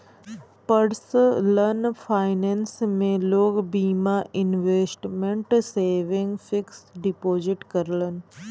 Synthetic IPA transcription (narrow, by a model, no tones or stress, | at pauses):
pəɽslənfʰaːɪnensmẽloːɡbiːmaʔɪnʋeːsʈmẽɳʈseːʋɪŋɡfɪksɖipoːzɪʈkəɾlən̆